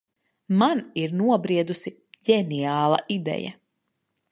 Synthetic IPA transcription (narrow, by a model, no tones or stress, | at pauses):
maniɾnuɔbɾiɛd̪usi | ɟɛniaːlˠɐ̰ʔid̪ɛ̰ja̰